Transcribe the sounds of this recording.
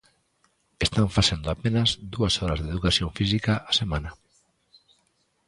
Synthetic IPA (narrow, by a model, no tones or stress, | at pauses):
est̪aɱfasend̪oapenazd̪uasɔɾazðeð̞ukaθjõɱfis̬ikaasemãnɐ